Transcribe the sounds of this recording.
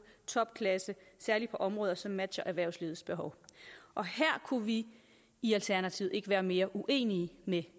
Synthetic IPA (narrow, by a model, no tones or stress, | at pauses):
t͡sʰɒ̽b̥̚kʰlæsəsæɐlipʰɒ̽ʔɒ̽mʁɔ̽ːðˠɐsɒ̽mːæd̥ɕɐʔæɐʋæɐʊ̰sliːð̩ˠsb̥e̝ɦɒ̽ʊʔɒ̽hæɐ̰kʰuʋiː | ælt͡sʰæɐnæt͡sʰiʊð̩ˠe̝ɡ̥əʋæːɐme̝ːɐʔuʔe̝̰ːniːme